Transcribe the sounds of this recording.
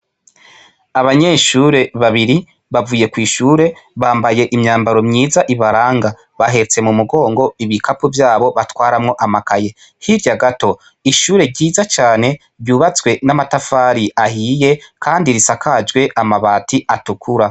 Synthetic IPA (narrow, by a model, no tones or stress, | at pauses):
aβaɲe̞ʃuːɾe̞βaβiɾi | βavuːje̞kwiːʃuːɾe̞βaːmbaje̞ʔimɲaːmbaɾo̞mɲiːzaʔiβaɾaːŋɡa | βaɦe̞t͡se̞mumuɡo̞ːŋɡo̞iβikʰapuvjaːβo̞βatwaːɾamŋo̞ʔamakaje̞ | hiɾjaɡato̞ | iʃuːɾe̞ɾɟiːzat͡ʃaːne̞ | βjuːβat͡swe̞namatafaːɾiahiːje̞kʰaːndiɾisakʰad͡ʒɡwe̞ʔamaβaːtiʔatukʰuɾa